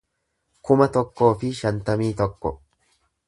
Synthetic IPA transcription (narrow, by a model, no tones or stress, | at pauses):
kʊmɐt̪ɔkːo̞ːfɪʃɐnt̪ɐmiːt̪ɔkːɔ